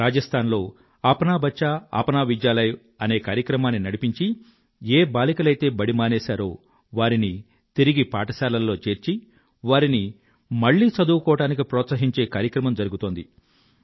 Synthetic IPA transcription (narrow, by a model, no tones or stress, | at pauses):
ɾaːd͡ʒɐst̪ʰaːnlo̞ː | aːpɐnaːbʱɐt͡ʃːaa̰ːpɐnaːʋid͡ʒjaːlɐj | ɐne̞ːkaːɾjɐkɾɐmaːnːinɐɽipiɲt͡ʃi | eːbaːlikɐlɐjt̪e̞ːbɐɽimaːneːsaːɾoː | ʋaːɾini | t̪iɾiɡipaːʈɐsaːlɐlːo̞ːt͡ʃe̞ːɾt͡ʃi | ʋaːɾini | mɐɭːiːt͡ʃɐd̪uːɐkɔːʋɐʈaːnik̬ipɾɔːt̪sɐɦiɲt͡ʃe̞ːkaːɾjɐkɾɐmɐmd͡ʒɐɾuɡut̪o̞ːnd̪i